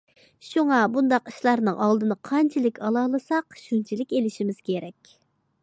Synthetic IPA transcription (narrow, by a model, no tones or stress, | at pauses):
ʃuŋɑbund̪ɑqi̥ʃlˠɑɾnɨŋʔɑlˠd̪ɨnɨqʰɑnt͡ʃʰilɪkʲɑlˠɑlˠɨsɑqʃunt͡ʃʰilɪkʲelɪʃimɪz̥kʲʰeɾɛkʲ